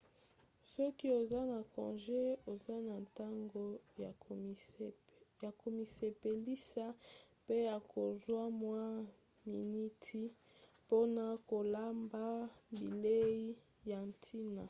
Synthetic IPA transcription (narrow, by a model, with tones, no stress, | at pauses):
sɔ˦ki˦o˨za˦na˨kɔ̰˨nʒe˦o˨za˦na˨nta˦ŋɡo˦˨ | ja˨ko˨mi˨se˨pe˨li˦sa˦ | pe˦ja˨ko˨zwa˦mwa˦ | mi˨ni˦tʰi˦po˦na˦ko˨la˦mba˦bi˨le˦i˦ | ja˨n˨tʰi˦na˨